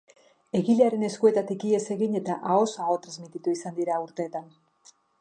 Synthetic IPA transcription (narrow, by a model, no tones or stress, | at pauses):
e̞ɣiʎeaɾe̞ne̞skue̞t̪at̪ikie̞se̞ɣiɲe̞t̪aʔao̞saɣot̪ɾazmit̪it̪uisand̪iɾauɾt̪e̞ːt̪an